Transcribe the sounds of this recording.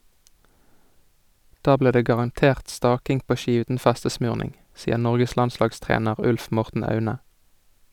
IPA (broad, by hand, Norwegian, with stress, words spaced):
ˈdɑː ˈbliːʁ ˈdeː ɡɑʁɑnˈteːʁt ˈstɑːkɪŋ ˈpoː ˈʃiː ˈʉːtn̩ ˈfɛstəˌsmʉːʁnɪŋ ˈsiːəʁ ˈnɔʁɡəs ˈlɑnˌslɑːɡˌstʁeːnəʁ ˈʉlf ˈmɔʁtn̩ ˈɑʉnə